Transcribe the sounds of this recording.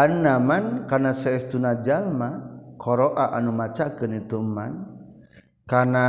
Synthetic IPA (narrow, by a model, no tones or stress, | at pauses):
annamankanasɛɛst̪unad͡ʒalmakʰɔɾɔʔaʔanumat͡ʃakənit̪uma̰n | kana